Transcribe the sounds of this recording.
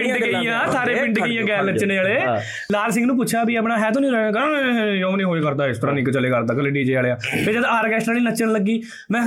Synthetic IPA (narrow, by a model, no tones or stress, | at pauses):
ɪɳɖɡeijãːsʰaːɾeːbɪ̃ɳɖeːijãːɡɛːlnət͡ʃːneːaːleː | laːlsɪ̃ŋɡnũːp̬ʊːt͡ʃʰaːbiːəpɳaːɦɛːt̪õːnĩːɾɛ̃ɡəjõõnĩːɦoːekəɾd̪aːɪst̪əɾãːniːkt͡ʃəleːkəɾd̪aːkəleːʈiːd͡ʒeːaːleːãːpeːd͡ʒəd̪aːɾkɛːsnaːliːnət͡ʃːəɳləɡːiː | mɛ̃ː